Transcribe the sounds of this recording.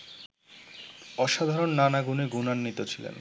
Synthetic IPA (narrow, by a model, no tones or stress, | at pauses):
ɔʃad̪ʱaɾonːanaɡuneɡunanːit̪ot͡ɕʰilḛn